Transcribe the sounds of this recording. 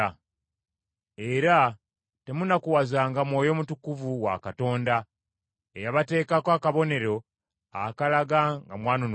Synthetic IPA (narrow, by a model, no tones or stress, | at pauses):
e̞ɾa | te̞munakuwazaːŋɡamwo̞ːjo̞mutukuvuwa̰kato̞ːnda | ejaβate̞ːkakwakaβo̞ne̞ɾo̞ | akalaɡaŋɡamwaːnon